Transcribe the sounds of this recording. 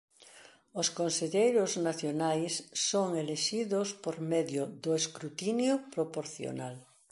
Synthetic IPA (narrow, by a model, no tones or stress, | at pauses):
oskonseʎejɾʊznaθjonajsːoŋeleʃiðospoɾmɛðjʊðʊeskɾut̪injʊpɾopoɾθjo̰nal